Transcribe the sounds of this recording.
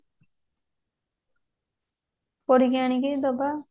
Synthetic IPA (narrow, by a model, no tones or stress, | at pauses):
pɔɾiɡaɽ̃iɡed̪ɔba